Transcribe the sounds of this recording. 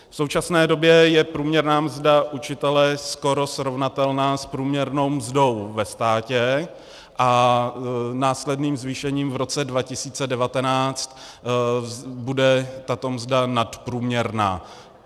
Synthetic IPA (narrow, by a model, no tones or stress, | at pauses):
fso̞wt͡ʃasnɛːdo̞bjɛjɛpɾuːmɲɛɾnaːmzdaʔut͡ʃɪt̪ɛlɛsko̞ɾo̞sɾo̞vnat̪ɛlnaːspɾuːmɲɛɾno̞wmzdo̞wvɛst̪aːcɛ | ʔa | naːslɛdniːmzviːʃɛɲiːmvɾo̞t͡sɛdvacɪsiːt͡sɛdɛvat̪ɛnaːt͡st̪ | budɛt̪at̪o̞mzdanat̪pɾuːmɲɛɾna̰ː